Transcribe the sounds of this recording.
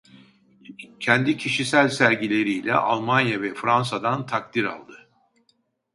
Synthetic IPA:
cʰɛnd̪icʰiʃisælʲsæɾɟilʲe̞ɾijlʲɛ̰ʔa̰lˠmanjavɛfɾansad̪ant̪ʰak̚t̪iɾa̰lˠd̪ɯ

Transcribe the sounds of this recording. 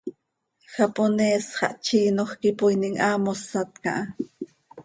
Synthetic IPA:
xaponeːsχɑ̰ʔt͡ʃiːnoxkipojniŋʔaːmosːat̪kɑ̰ʔɑ

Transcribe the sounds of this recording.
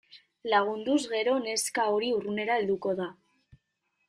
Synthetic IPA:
laɣ̞und̪uzɣe̞ɾo̞ne̞skao̞ɾiurune̞ɾae̞ld̪uko̞ða

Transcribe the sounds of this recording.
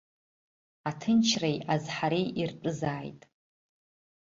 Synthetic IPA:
atʰɨnt͡ʃʰrejazħaɾiirpʼɨzaːjtʼ

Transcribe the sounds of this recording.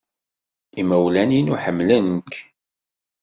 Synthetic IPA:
iməwlæninuħəmːlənk

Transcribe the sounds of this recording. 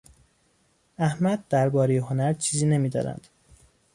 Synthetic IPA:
æhmæd̪̚d̪æɾbɒːɾe̞jeɦo̞næɾt͡ʃʰiːziːne̞miːd̪ɒ̰ːnæ̰nd̪̥

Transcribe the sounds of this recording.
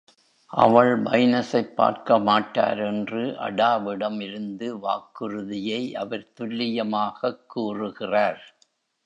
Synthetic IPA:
ʔɐ̰ʋɐɭmɐ̰jnɐsɐɪpːa̰ːɾkɐmaːʈːa̰ːɾɛndrɯʔɐ̰ɽaːʋɪɽɐmɪɾɯnd̪ɯʋa̰ːkːɯrɯðɪjɐɪʔɐʋɐɾt̪ʊlːɪjɐmaːɣɐkːuːrɯɣɪraːɾ

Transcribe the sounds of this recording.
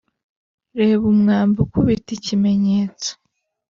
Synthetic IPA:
ɾeːβumŋaːmbukuβiticime̞ɲeːt͡so̥

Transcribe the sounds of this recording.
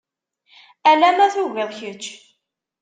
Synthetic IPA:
ælæmæθuviðçət͡ʃː

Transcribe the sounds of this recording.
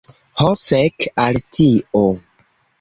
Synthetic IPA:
hofekaltʰio

